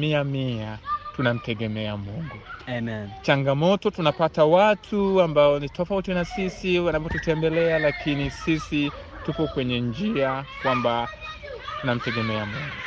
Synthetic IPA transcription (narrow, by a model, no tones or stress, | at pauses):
miamiatunam̩tɛɠɛmɛamuŋɡunɛt͡ʃaŋɡamɔtɔtunapatawatʰuambaɔnitɔfautinasisiwanapɔtutɛmbɛlɛalakinisisi | tupɔkwɛɲɛnd͡ʒiakwamba | tunam̩tɛɡɛmɛamuŋɡu